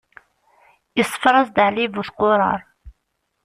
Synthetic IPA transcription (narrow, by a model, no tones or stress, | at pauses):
isˤːə̥fɾˤɑsˤd̪aʕlivuθqʊɾˤɑ̰ɾˤ